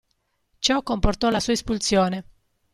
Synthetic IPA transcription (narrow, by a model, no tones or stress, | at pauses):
t͡ʃɔkːomport̪ɔlasuːaespult̪sjɔːne